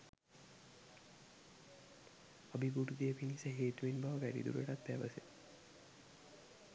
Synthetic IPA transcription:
əbiɡuʈud̪eəpinisəɦeːt̪uʋinbaʋəʋæɖḭd̪ṵɾueʈat̪̚pæʋəse

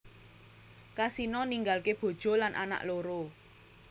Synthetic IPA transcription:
kasinɔniŋɡalkeb̥o̤d̥ʒ̥o̤lanʔa̰na̰ʔloɾo

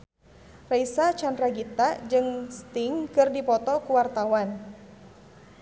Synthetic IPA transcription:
raisat͡ʃandɾaɡit̪ad͡ʒɨŋst̪iŋkɨrdipɔt̪ɔkuwart̪awan

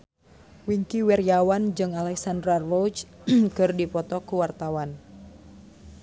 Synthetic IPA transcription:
wiŋkiwɛrjawand͡ʒɨŋalɛksandɾarrɔt͡ʃkɨrdipɔt̪ɔkuwart̪awan

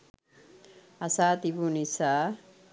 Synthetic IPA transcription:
ɐsaːt̪ibunisa

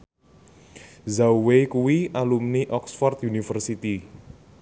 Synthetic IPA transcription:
zawwekuwiʔalumniʔɔksfɔrt̪junifərsit̪i

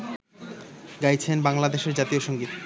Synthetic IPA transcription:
ɡajt͡ɕʰenbaŋlad̪eʃeɾd͡ʑat̪ioʃoŋɡit̪

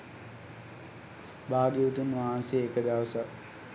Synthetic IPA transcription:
baːɡeʋut̪unʋaɦanseːkəd̪aʋəsa

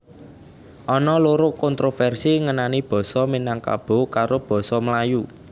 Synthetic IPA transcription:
ʔɔnɔloɾokɔnt̪ɾofɛrsiŋənanib̥ɔ̤sɔminaŋka̰b̥o̤kaɾob̥ɔ̤sɔməlaju

